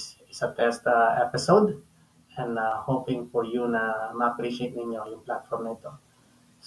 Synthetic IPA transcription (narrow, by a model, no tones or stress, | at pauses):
sɪsɐt̪ɛst̪ɐʔɛpɪsowd̪ | ʔɛ̃nd̪ahoːpɪŋpɔjunɐmɐɐpɾiʃejt̪̚nɪɲjo̞jʊŋplat̪fɔɹmnɐɪt̪o̞ | s